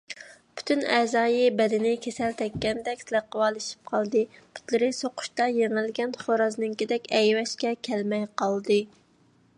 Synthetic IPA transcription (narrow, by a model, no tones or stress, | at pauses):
pʰy̥t̪ʰynɛzɑːjibɛd̪ɪnɪkʲʰesɛlt̪ʰɛkʲːɛnd̪ɛkʲslæqːəwɑːlˠɨʃi̥p̚qʰɑlˠd̪ɨpʰu̥t̪lˠɨɾɪsoqʰʊ̥ʃt̪ɑjeŋɪlɡʲɛnχoɾɑznɨŋkʲid̪ɛkʲɛjwɛʃkʲɛkʲʰɛlmɛjqɑlˠd̪ɨ